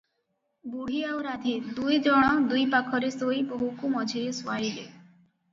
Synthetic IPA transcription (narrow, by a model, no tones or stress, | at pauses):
buɽ̤iawɾad̪ʱid̪ujd͡ʒɔɽ̃ɔd̪ujpakʰɔɾesojboɦukumɔd͡ʒʱieswajle